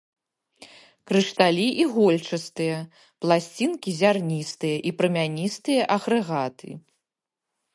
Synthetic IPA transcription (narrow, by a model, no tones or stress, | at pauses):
kɾɨʂt̪alʲiʔiɣɔlʲt͡ʂɐst̪ɨjɐ | plˠasʲt͡sʲinkʲizʲarnʲist̪ɨjɐʔipɾɐmʲanʲist̪ɨjɐʔɐɣɾɨɣat̪ɨ̰